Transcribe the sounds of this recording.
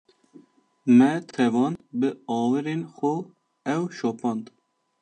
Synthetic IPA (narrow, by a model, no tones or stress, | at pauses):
mɛt̪ʰɛvɑːnbɨɑːwɨɾeːnxo | ɛwʃoːpʰɑːnd̪